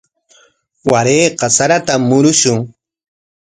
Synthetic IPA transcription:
waɾeːqɑsaɾat̪amːʊɾʊʃʊŋ

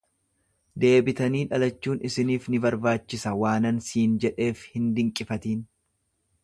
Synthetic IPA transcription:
d̪e̞ːbɪt̪ɐniːᶑɐlɐt͡ʃːuːnɪsɪniːfnɪbɐɾbaːt͡ʃːɪsɐwaːnɐnsiːnd͡ʒɛᶑe̞ːfhɪnd̪ɪŋkʼːɪfɐt̪iːn

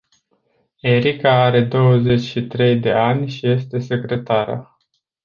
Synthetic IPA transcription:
e̞ɾikaaɾe̞d̪o̞wəze̞t͡ʃʲʃit̪ɾe̞jd̪e̞anʲʃije̞st̪e̞se̞kɾe̞t̪aɾa̰

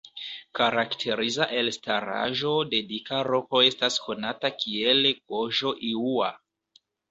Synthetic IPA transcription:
kaɾaktʰe̞ɾizaʔe̞lstaɾa̰ʒo̞de̞dikaɾo̞ko̞e̞stasko̞natakie̞lɡo̞ʒo̞ʔiua̰

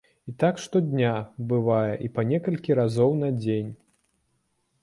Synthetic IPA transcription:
it̪akʂt̪ɔd̪ʲnʲabɨvajɛʔipɐnʲɛkɐlʲkʲiɾazɔwn̪ɐd͡zʲenʲ

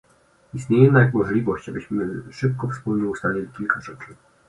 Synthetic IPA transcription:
ist̪ɲejɛnajakɡmɔʐlʲivɔɕt͡ɕabɘɕmɘʂɘp̚kɔfspulɲɛust̪alʲilʲikʲilkaʐɛt͡ʂɘ

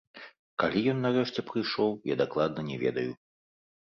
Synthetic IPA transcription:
kalʲijɔnːarɛʂt͡sʲɛpɾɨjʂɔwja̰d̪aklˠad̪̚nɐnʲɛvʲɛ̰d̪ɐju

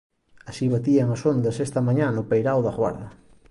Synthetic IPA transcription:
asiβat̪iɐŋɐsond̪ɐsest̪ɐmaɲanʊpejɾawðɐɣwa̰ɾðɐ

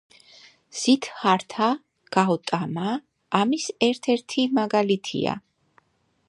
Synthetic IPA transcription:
z̥it̪ʰχaɾt̪ʰa | ɡ̥aɔt̪ʼamaː | misɛɾt̪ʰɛɾt̪ʰimaɡalit̪ʰḭa̰

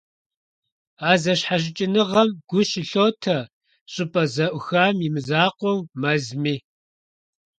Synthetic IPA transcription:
aːzɐɕħaɕ̬ɪt͡ʃʼɪnɨʁɐmɡ̥ʷʊʃɪɬoːtʰɐ | ɕʼɪpʼɐzɐʔʷʊxaːmimɨzaːqʷʼɔwmɐzmiː

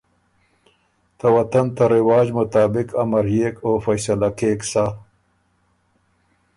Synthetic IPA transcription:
t̪ɐwɐt̪ɐnt̪ɐɾɪwaːd͡ʑmʊt̪aːbɪkɐmɐɾeːkoːfɐjsɐlakeːksa

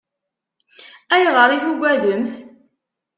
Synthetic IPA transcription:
æjʁəɾˤiθuɡʷæðəmθ

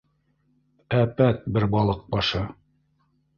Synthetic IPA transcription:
æpæt̪̚bɘɾbɑlˠɤq̚bɑʃɤ

